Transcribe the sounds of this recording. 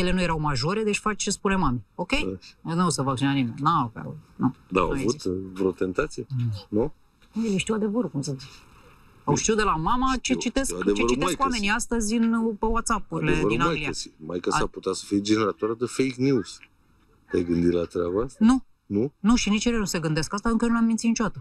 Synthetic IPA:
je̞le̞nuje̞ɾawmaʒo̞ɾe̞d̪e̞t͡ʃʲfat͡ʃt͡ʃespune̞mamio̞kʲe̞jneosəvak̚t͡ʃinanime̞nʲnapa̰ut̪nud̪a̰wavut̪vɾot̪e̞nt̪at̪sijenu | jeleʃt̪iwad̪e̞vəɾukumsəzi | awʃt̪iud̪e̞lamamat͡ʃet͡ʃit̪e̞skd̪et͡ʃeɾt͡ʃieakwame̞niast̪əzʲɨnpewat̪sapuɾileevəɾdinaajɡliaasima̰jkasaput̪at̪sə̥fid͡ʒeneɾat̪oɾad̪efejknjuz | d̪̥ʲajɡɨnd̪ilat̪ɾaboasnu | nunuʃinit͡ʃeɾenuse̞ɡɨnd̪eskast̪aɨŋkəjenuleamːint̪sinit͡ʃodat̪ə

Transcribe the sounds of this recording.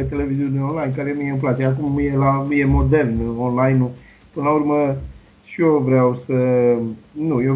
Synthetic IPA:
et̪e̞le̞viziuneonlajnkaɾenujeɨ̃mp̬lat̪seakumjelaje̞mo̞d̪e̞lnɨonlajnːu | pɨnlaurmə | ʃiovɾeawsə | nuje

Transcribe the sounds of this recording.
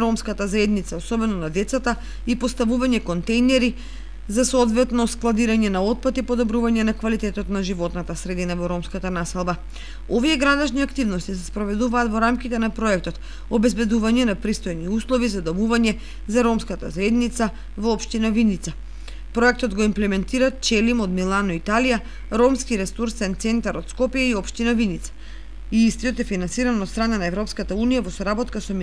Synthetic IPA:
ɾɔmskat̪azaɛd̪nit̪saosɔbɛnɔnad̪ɛt̪sat̪a | ipost̪avuvaɲɛkont̪ɛjnɛɾi | zasoɔd̪vɛt̪nɔsklˠad̪iɾaɲɛnaot̪̚pat̪ipod̪ɔbɾuvaɲɛnakvalit̪ɛt̪ɔt̪naʒivɔt̪nat̪asɾɛd̪inavɔɾɔmskat̪anasɛlˠba | oviɛɡɾad̪ɛʃniakt̪ivnɔst̪isɛspɾɔvɛd̪uvaːt̪vɔɾamkit̪ɛnapɾɔɛk̚t̪ɔt̪ | obɛzbɛd̪uvaɲɛnapɾist̪ojniuslˠɔvizad̪omuvaɲɛ | zaɾɔmskat̪a̰zɛd̪nit̪sa | vɔːpʃt̪inavinit̪sa | pɾɔɛk̚t̪ɔd̪ɡɔimplɛmɛnt̪iɾat͡ʃɛlimod̪milˠanɔit̪alija | ɾɔmskiɾɛsuɾsɛnt̪sɛnt̪aɾot̪skɔpjaiɔpʃt̪inavinit̪sḁ | iist̪ijot̪ɛfinansiɾanot̪st̪ɾananaɛvɾɔpskat̪aunijavɔsɔɾabɔt̪kasɔm

